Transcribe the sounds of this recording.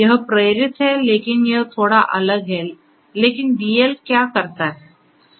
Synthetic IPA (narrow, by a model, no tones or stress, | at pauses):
jəɦəpɾəjɾit̪ɦɛlekinjəɦt̪ʰoɽaʔələɡɦelː | ekinɖielkjakəɾt̪aɦe